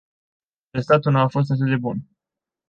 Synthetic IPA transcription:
est̪at̪unuafo̞s̬t̪at̪ɨd̪d̪e̞bun

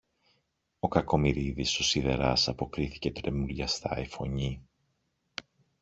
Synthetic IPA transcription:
o̞kɐko̞miɾiðiso̞siðe̞ɾɐsɐpo̞kɾiθi̥ce̞t̪ɾe̞mulʎɐst̪ɐ̰ifo̞ɲi

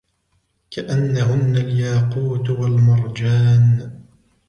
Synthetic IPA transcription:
kaʔanːaɦʊnːaljaːquːt̪walmʊɾˤd͡ʒaːn

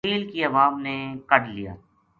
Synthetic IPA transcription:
iːlkiɐʋaːmnekɐɽlija̰ː

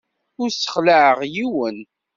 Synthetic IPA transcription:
ʊɾsə̥χləʕəʁjiwən

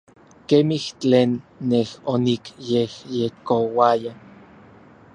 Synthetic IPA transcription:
kemiht͡ɬeːnːehonikjehjekowaja

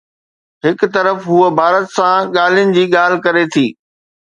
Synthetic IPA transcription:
ɦɪkt̪ɐɾəfɦuəbʱaːɾət̪sãɠaːl̤ijʊnɪ̆d͡ʑiːɠaːl̤ɪkɐɾet̪ʰiː

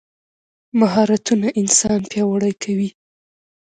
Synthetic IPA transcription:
maɦɑɾat̪unaʔɪnsɑnpjɑwaɽajkʰawi

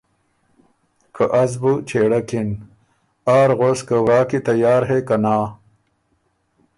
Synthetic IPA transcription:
kʰɐʔɐzbut͡ɕʰeːɽɐkin | aːɾɣoskəwɾaːkit̪ɐjaːɾɦekɐnaː

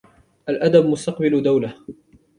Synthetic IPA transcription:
ʔalʔad̪abmʊst̪ɑqbald̪awla

